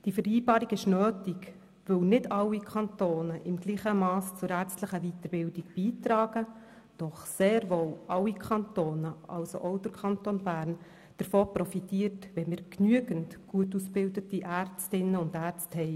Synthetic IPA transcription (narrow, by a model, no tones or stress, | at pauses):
d̥iəfəɾiːbɑːɾiɡɪʃnøːtiɡ | ʋɵwnɪdɑwːikʰɑntoːnəʔɪmɡ̥liːχəmɑːst͡sʊɾæːɾt͡stləχəʋitəɾb̥ɪldiɡb̥iːtɾɑːɡ̥ə | d̥ɔχseːɾʋoːlʔɑwikʰχɑntoːnəʔɑ̰wso̰ʔɔʊt̪əkʰχɑntonbæːɾn | d̥əɾfoːpɾɔfitiːəɾtʋɛmɪːɾknyəɡəntɡ̥uətusb̥ɪldətiʔært͡stɪnːəʊndæːɾt͡sthɛɪ